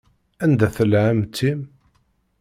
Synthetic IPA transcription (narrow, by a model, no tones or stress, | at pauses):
ænd̪æθəlʕamt̪ʰːim